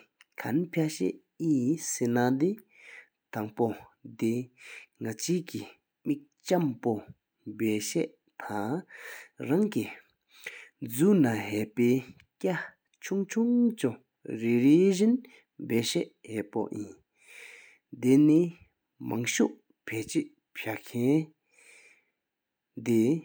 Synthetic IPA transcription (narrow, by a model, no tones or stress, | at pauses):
kʰanpʰjaɕɛ̰ʔ | jisenad̪i | t̪aŋpod̪eŋat͡ɕʰiːki | mik̚t͡ɕampo | bɛːɕɛ̰ʔ | t̪ʰaŋ | raŋki | d͡zuːnaɦɛʔpeː | ca | t͡ɕʰuŋt͡ɕʰuŋt͡ɕu | ɹeɹiʑin | bɛːɕɛʔhɛːʔpo̰ʔjḭn | d̪eni | maŋɕuʔ | pʰɛːʔt͡ɕeʔ | pʰaʔkʰɛn | d̪e